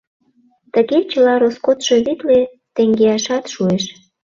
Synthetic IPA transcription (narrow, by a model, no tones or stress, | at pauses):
t̪əɣet͡ɕəlɑɾoskot̪ʃoβit̪le | t̪eŋɡeɑʃɑt̪ʃueʃ